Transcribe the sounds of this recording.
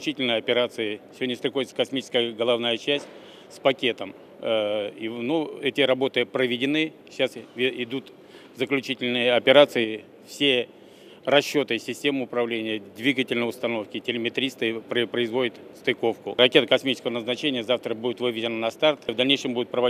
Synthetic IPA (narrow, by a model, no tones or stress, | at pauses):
t͡ɕitʲɪlʲnəjɐpʲɪɾat̪sɨɪsʲɪvo̞dʲnʲɪst̪ɾʲɪkxo̞vɪt̪səkɐsmʲit͡ɕɪ̥skəjəɡəlˠɐvnajət͡ɕæsʲt̚ʲ | spɐkʲe̞t̪əm | inuɛtʲɪɾɐbo̞t̪ɨpɾəvʲɪdʲɪnɨ | ɕasɪd̪ut̪ | zəklʲʉt͡ɕitʲɪlʲnɨjəɐpʲɪɾat̪sɨɪ | fsʲe̞ | rɐɕːo̞t̪ɨsʲɪsʲtʲe̞mɨʊpɾɐvlʲenʲɪjəd̪ʲvʲiɡətʲɪlʲnəjʊst̪ɐno̞fkʲɪtʲɪlʲɪmʲɪt̪ɾʲist̪ɨpɾəpɾəɪzvo̞dʲɪt̪st̪ɪko̞fkʊɾɐkʲe̞t̪əkɐsmʲit͡ɕɪ̥skəvənəznɐt͡ɕenʲɪjəzaft̪ɾəbudʲɪt̪vɨvʲɪdʲɪnənɐst̪art̪vd̪ɐlʲnʲejʂɨmbudʲɪt̪pɾəvɐ